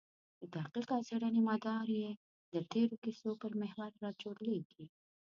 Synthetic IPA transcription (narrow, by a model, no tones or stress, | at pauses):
d̪ət̪aqiqɑseɽənemɑd̪ɑɾje | d̪ət̪eɾokisopəɾmeɦwaɾːɑt͡ʃoɽleɡi